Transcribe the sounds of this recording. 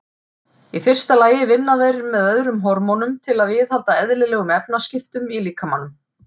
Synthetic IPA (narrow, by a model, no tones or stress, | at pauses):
ifɪr̥st̪alaːjɪvɪnːaðejɾmɛðœðɾʏmɦɔɾmɔnʏmt̪ʰɪlaðvɪðhalt̪aɛðlɪlɛːɣʏmɛpnascɪft̪ʏmiliːkamanːʏm